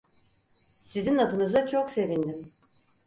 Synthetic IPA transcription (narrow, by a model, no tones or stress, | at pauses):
sizinad̪unɯzat͡ʃʰokse̞vind̪im